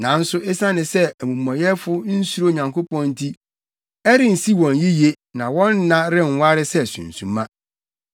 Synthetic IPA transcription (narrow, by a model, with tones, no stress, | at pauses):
nã˨˦n̩˦sʊ˦ʔe˦sã˦nɪ̃˨sɛ˦æ˨mũ˨mɔ̃˨jɛ˦fʊ˦n̩˦su˦ɾo˦˨ɲã˨ŋko˦pɔ̃˦n˦tʰi˦ | ɛ˦ɾɪ̃˨n̩˨si˦wɔ̃˨nji˦je˦ | nã˨wɔ̃˦nː˦ã˦ɾɪ̃˦˨ŋ˨˦wa˦ɾɪ˦sɛ˦˨sṵ̃˨n̩˨sṵ̃˨mã˦